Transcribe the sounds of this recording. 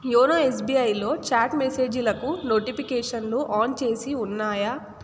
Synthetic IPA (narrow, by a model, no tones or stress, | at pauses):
joːnaːes̬biːɐjlo̞ːt͡ʃaːʈmese̞ːd͡ʒilɐkunoːʈipikeːʂɐnluʔaːnt͡ʃe̞ːsiunːaːjɐ